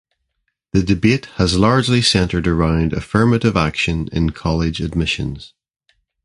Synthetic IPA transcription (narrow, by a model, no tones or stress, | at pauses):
ðədɪbeʔhəzlˠaɹd͡ʒlˠisɛ̃ntʰə˞də˞ãʊ̃ndə̰fɜ˞məʔɪvakʃə̃nɪ̰̃nkʰɔlˠɪd͡ʒəd̚mɪʃə̃nz̥